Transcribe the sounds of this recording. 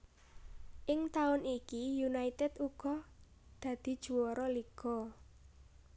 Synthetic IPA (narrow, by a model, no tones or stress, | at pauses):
ʔɪŋt̪aʊnikijunait̪ɛt̪uɡ̥ɔ̤ | d̪̥ä̤d̪̥i̤d̥ʒ̥ṳwɔɾɔliɡ̥ɔ